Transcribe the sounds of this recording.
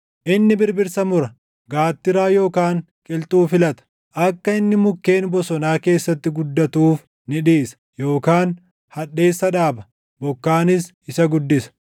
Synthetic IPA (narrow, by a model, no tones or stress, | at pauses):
ʔɪnːɪbɪɾbɪɾsɐmʊɾɐ | ɡaːt̪ːɪɾaːjo̞ːkaːŋ | kʼɪlt̪ʼuːfɪlɐt̪ɐ̥ | ʔɐkːɐɪnːɪmʊkːe̞ːnbɔsɔnaːke̞ːsːɐt̪ːɪɡʊd̪ːɐt̪uːf | nɪᶑiːsɐ̥ | jo̞ːkaːn | hɐᶑe̞ːsːɐᶑaːbɐ | bɔkːaːnɪs | ɪsɐɡʊd̪ːɪsɐ̥